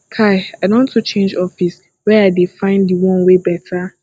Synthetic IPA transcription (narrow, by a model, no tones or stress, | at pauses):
kʰaɪaɪdɔ̃ntʰut͡ʃʰẽnd͡ʒɔfis | wɛaɪdefãɪ̃ndiwɔ̃nwebɛtʰa